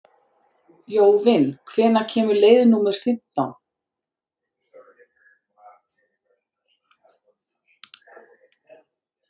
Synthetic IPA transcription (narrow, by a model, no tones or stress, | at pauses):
joːwvɪnkʰvɛːnacʰɛːmʏleːjðnuːmɛɾ̥fɪm̥t̪a̰wn